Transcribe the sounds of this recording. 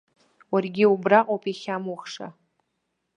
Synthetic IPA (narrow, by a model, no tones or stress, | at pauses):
warɡʲɪubraqʼowpʰʼiχʲamuχʂa̰